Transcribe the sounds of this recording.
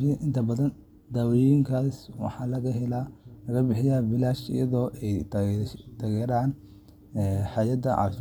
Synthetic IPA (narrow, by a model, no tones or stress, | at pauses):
iʔɪnt̪ʰɐbɐðɐn | d̪aːwɛjiŋkʰaːswɑ̰ħɑːlɐɣɐɦɛlalɐɣɐbɪħɪjaːbɪlaːt͡ʃɪ̰jɐðɔːʔɛj | t̪ʰɐɣɛːɾaːn | ɛħɑːjɐd̪ɐʕɑ̰ːʃ